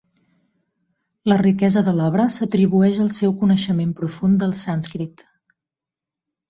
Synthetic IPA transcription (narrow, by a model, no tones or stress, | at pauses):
lərikɛzəðəlɔβɾəsət̪ɾiβuɛʃəlˠsɛwkunəʃəmempɾufund̪əlˠsanskɾit̪